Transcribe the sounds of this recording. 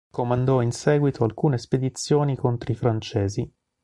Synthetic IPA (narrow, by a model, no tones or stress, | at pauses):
komand̪ɔinsɛːɡwit̪ʰoalkuːnesped̪it̪sːjoːnikont̪ɾoifɾant͡ʃɛːzi